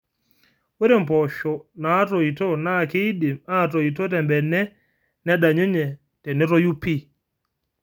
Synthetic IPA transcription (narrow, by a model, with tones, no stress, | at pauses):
wɛ˦ɾɛ˨m˨pɔ˨ʃɔ˨na˨˦to˨i˨tɔ˦na˦˨ke˦ɗi˨ma˦˨to˨i˨tɔ˦tɛ˨mbɛ˨nːɛ˦ | nɛ˦ɗa˨ɲe˦ɲɛ˨ | tɛ˨nɛ˦ɾɔ˦ju˦pːi˦